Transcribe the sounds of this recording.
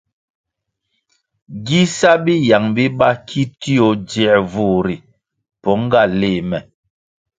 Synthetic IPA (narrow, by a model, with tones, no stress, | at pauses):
ɡi˦sa˦bi˦ja˨ŋbi˦ba˦kʰi˦ti˦o˨˦d͡ʒɛ˦˨ɾvu˦˨ɾi˨ | pɔ˨˦ŋ˦ɡa˦˨leː˦˨mɛ˨